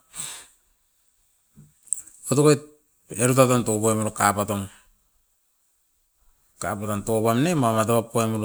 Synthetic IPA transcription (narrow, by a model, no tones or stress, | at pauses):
otokojt | eɾutatontopoemoɾokapatoŋ | ka̰patanto̞pamnemamat̬aβapːoemuɾo